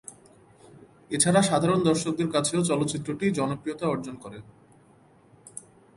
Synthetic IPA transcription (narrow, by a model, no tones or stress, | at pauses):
et͡ɕʰaɾaʃad̪ʱaɾond̪ɔɾʃok̚d̪eɾkat͡ɕʰeot͡ɕɔlot̪ːɕit̪ːɾoʈid͡ʑɔnopɾiot̪aɔɾd͡ʑonkɔɾe